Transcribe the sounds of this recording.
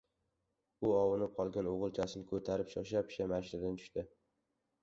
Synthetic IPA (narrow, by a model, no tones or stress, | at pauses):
ʊɒwɨnɪp̚qʰɒlˠɡʲanoʁɨlˠt͡ʃʰasɪnɪkʰɵt̪ʰaɾɪpʃɪχʃapʰɪ̥ʃamaʃnad̪ant͡ʃ̪ʰʊ̥ʃt̪ɪ